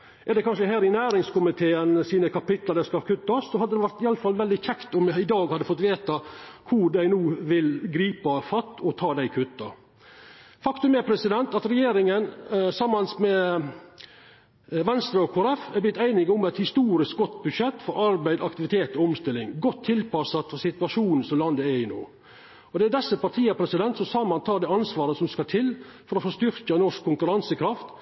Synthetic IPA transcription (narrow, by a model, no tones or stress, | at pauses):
ʔɛd̪ɛkʰɑnʂəɦæːɾɪnæːɾɪŋskʊmɪt̪ʰeːənsiːnəkɑpɪt̪lɑd̪æskɑkʰʉt̪ːɑsɔhɑd̪əd̪ɛʋæɾt̪ɪɑləfɑlʋɛld̪ɪçʰɛkt̪ɔmjɪd̪ɑːɡhɑd̪ːəfɔt̪ːʋeːt̪ɑkʰʊɖ̪æɪnuːʋɪlɡɾiːpɑfɑt̪ːɔt̪ʰɑːd̪æɪkʰʉt̪ːɑ | fɑkt̪ʉmɛpʰɾɛsɪd̪ɛnt̪ɑt̪ɾɛjeːɾɪŋənsɑmːɑnsmɛ | ʋɛnst̪ɾɑɔkʰoːɾɛfɛblɪt̪æɪnɪɡʊmɛt̪hɪst̪uːɾɪsk̚ɡɔt̪bʉd̪ʂɛt̪ːfɔɾɑɾbæɪd̪ɑkt̪ɪʋɪt̪ʰeːt̪ɔɔmst̪ɪlːɪŋɡɔt̪ʰːɪlpɑsɑt̪ɔsɪt̪ʉɑʂuːnn̩sɔmlɑnd̪əɛɪno̰ː | ɔd̪ɛæd̪ɛsːəpɑʈ̪ʰiːəpʰɾɛsɪd̪ɛnt̪sɔsɑmɑnt̪ʰɑːd̪ɛːɑnsʋɑːɾəsɔmskɑt̪ʰɪlːfɔɾɔfɔːst̪ʏɾkɑnɔʂkʰːʊŋkʉɾɑnsəkʰɾɑft̪